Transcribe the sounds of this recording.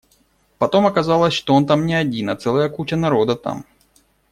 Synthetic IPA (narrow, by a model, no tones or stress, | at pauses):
pɐt̪o̞mɐkɐzalˠəsʲʂt̪oo̞nt̪amnʲɪɐdʲinɐt̪sɛlˠəjəkut͡ɕənɐɾo̞d̪ət̪a̰m